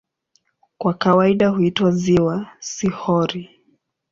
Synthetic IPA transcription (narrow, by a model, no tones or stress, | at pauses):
kwakawaiɗahuitwaziwasihɔɾi